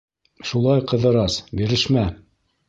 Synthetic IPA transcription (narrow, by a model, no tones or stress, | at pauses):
ʃulˠɑjqɤ̆ðɤ̆ɾɑsbiɾɘ̆ʃmæ